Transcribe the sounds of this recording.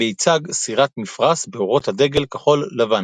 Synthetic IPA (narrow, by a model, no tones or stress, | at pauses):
eit͡saɡsiʁat̪mifʁasbeoʁo̞t̪had̪e̞ɡe̞lkaχo̞lːavan